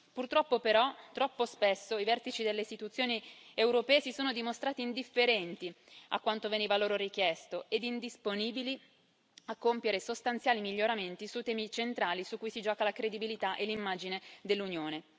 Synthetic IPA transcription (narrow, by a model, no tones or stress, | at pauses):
purt̪ɾɔpːopeɾɔt̪ɾɔpːospesːoivɛrt̪it͡ʃid̪elːeist̪it̪ut̪sːjoːniewɾopɛːesisoːnod̪imost̪ɾaːt̪iːnd̪ifːeɾɛnt̪i | a̰kːwant̪oveniːvaloːɾoɾikjɛst̪oed̪ind̪isponiːbili | akːompjeɾesost̪ant̪sjaːlimiʎːoɾament̪isut̪ɛːmit͡ʃent̪ɾaːlisukːujsid͡ʒɔːkalakɾed̪ibilit̪aʔelːimːaːd͡ʒined̪elːunjoːne